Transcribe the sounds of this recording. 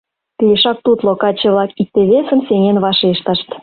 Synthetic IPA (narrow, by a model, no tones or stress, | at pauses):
pijeʃɑk̚t̪ut̪lokɑt͡ɕĕβlɑkik̚t̪eβesə̆mseŋenβɑʃeʃt̪ə̆ʃt̪